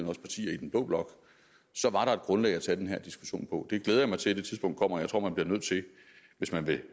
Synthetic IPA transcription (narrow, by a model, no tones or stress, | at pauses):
n̩ɒ̽spʰɑ̈t͡sʰḭːɐid̥enb̥lɔ̰ːb̥lɒ̽ɡ̥ | sɒ̽ʋɑ̈ɾɑ̈e̝d̥ɡ̥ʁɔ̽nlɛ̰ɪæt͡sʰæd̥enɦæɐ̰d̥isɡ̥u̥ɕo̝̰ːnpʰɒ̽d̥e̝ɡ̥leːð̞ˠɐjɑ̈mɑ̈ɪt͡sʰe̝d̥et͡sʰið̞ˠsb̥ɔ̽ŋd̥̚kʰɒ̽m̰ɐjaɪt͡sʰʁo̝ɐ̰mænb̥liɐnøð̰ˠt͡sʰe̝ | ʋe̝smænʋe̝